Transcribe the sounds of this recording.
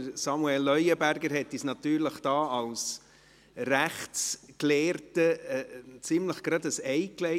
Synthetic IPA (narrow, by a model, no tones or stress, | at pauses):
əɾsɑmuɛlːœʏəbæɾɡəɾɦɛt̪ːisnɑt̪yːɾləχd̥ɑːɑls | ræχtt͡skleːɾtə | t͡sɪmləχɡ̥ɾɑd̪əsɛɪklɛ